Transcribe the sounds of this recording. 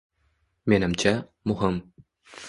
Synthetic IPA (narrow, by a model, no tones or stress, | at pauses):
menɘ̆mt͡ɕæmuɦɤm